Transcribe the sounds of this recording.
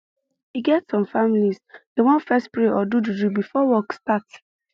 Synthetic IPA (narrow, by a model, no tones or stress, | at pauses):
hiɡɛtsɔ̃mfamilisdewɔ̃nfɛstpɹeʔɔdududubifɔwɔkstat